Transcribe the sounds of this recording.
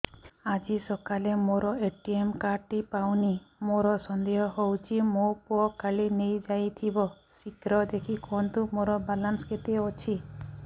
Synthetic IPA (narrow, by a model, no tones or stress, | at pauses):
ad͡ʒisɔkalemoɾɔeʈiemkaʈipawnimoɾɔsɔnd̪eɦɔɦowt͡ʃʰimopuɔkaɭinejd͡ʒajt̪ʰibɔ | sikɾɔd̪ekʰikɔnt̪umoɾɔbalansket̪iɔt͡ʃʰi